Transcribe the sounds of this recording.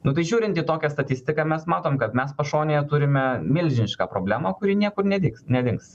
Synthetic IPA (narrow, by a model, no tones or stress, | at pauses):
nʊt̪ɐɪʒʲuːɾʲɪnt̪ʲiːt̪oːkʲɛst̪ɐt̪ʲɪsʲt̪ʲɪkɑːmʲɛsmɑːt̪oːmkɐt̪mʲɛspɐʃoːnʲeːjɛt̪ʊɾʲɪmʲɛmʲɪlʲʒʲɪnʲɪʃkɑːpɾoːbʲlʲæːmɐkʊɾʲiːnʲiɛkʊɾnʲɛd̪ʲɪksnʲɛd̪ʲɪŋks